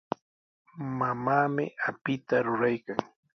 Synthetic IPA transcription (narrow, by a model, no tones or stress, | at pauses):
mamaːmɪ̰apɪt̪aɾʊɾajkaŋ